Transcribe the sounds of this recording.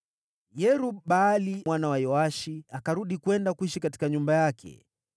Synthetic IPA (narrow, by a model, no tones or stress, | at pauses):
jɛɾuɓalimwanawajɔaʃiakaɾuɗikwɛndakwiʃikati̥kaɲumbajakʰɛ̰